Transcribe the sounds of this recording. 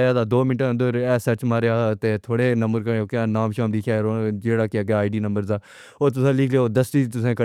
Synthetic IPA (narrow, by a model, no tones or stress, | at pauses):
jaːd̪aːd̪oːmɪʈãnd̪oːɾɛːsət͡ʃmaːɾjaːt̪eːt̪ʰoːɽeːnəmbəɾkəɾokãːnaːmʃaːmlɪkʰjaːod͡ʒeːɽaːkɪjaːɡaːɖiːnə̃mbəɾzaː | oːt̪̬ʊsãːlɪkʰlejːd̪əsʈiːt̪ʊsẽːkə